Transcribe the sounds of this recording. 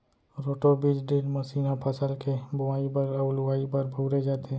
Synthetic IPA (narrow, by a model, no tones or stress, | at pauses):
ɾoːʈobid͡ʒɖeːlmɐsiːnapʰəsəlkebʊʋaːibəɾəʊlʊaːibɐɾbʱuːɾed͡ʒaːt̪eɦɛ̃